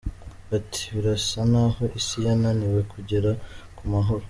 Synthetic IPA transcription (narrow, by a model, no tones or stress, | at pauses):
atʰi̥βiɾasanaːho̞ʔisijananiwe̞kʰuɟeɾakumaɦo̞ɾo